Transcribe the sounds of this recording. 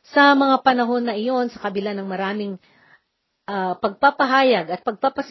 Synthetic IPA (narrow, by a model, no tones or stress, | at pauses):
sɐmɐŋapɐnɐɦo̞nːɐʔɪjo̞nsɐkɐbɪlanɐŋmɐɾaːmɪŋ | ʔɐpɐɡ̚papɐɦaːjɐɡɐt̪̚pɐɡ̚papɐs